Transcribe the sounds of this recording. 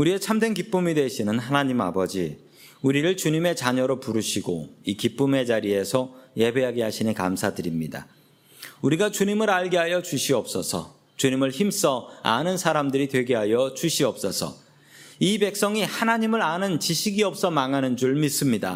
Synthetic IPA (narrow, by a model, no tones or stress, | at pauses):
uɾie̞t͡ɕʰamdwe̞nkip͈ɯmidwe̞ɕʰinɯnɦanaɲima̰bʌd͡ʑi | uɾiɾɯɭt͡ɕuɲime̞t͡ɕaɲʌɾopuɾuɕʰiɡo̰ikip͈ɯme̞d͡ʑaɾie̞sʰʌje̞be̞ɦaɡeɦaɕʰinɯnka̰msʰadɯɾimɲida̰ | uɾiɡat͡ɕuɲimɯɾaɭɡeɦajʌt͡ɕuɕʰiʌp̚s͈ʌsʰʌ̰ | t͡ɕuɲimɯɭçims͈ʌa̰nɯnsʰaɾamdɯɾitwe̞ɡe̞ɦajʌt͡ɕuɕʰiʌp̚s͈ʌsʰʌ̰ | ibe̞k̚s͈ʌŋihanaɲimɯɾanɯnt͡ɕiɕʰiɡiʌp̚s͈ʌmaŋɦanɯnd͡ʑuɭmis͈ɯmɲida̰